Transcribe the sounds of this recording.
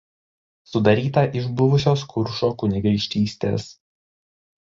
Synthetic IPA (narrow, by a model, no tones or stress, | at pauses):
sʊd̪ɐɾʲiːt̪ɐʔɪʒbʊʋʊsʲoːskʰʊɾʃoːkʊnʲɪɡɐɪʃʲt̪ʲiːsʲt̪ʲḛːs